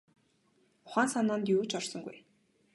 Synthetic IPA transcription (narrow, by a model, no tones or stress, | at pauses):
ʊχaːnsanaːnt̪juːt͡ɕɔrsɞ̆ŋɡṵj